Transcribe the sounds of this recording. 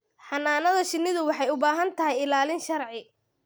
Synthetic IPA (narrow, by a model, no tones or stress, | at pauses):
ħɑnːaːnɐðɐʃɪnːɪðʊwɑħɑjʊbaːɦɐnt̪ʰɐɦɛjɪlaːlɪnʃɐrʕɪ